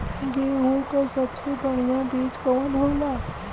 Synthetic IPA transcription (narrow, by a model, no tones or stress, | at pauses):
ɡeɦũkasɐbsebɐɽ̤ijãbiːt͡ʃkɔːnɦoːnaː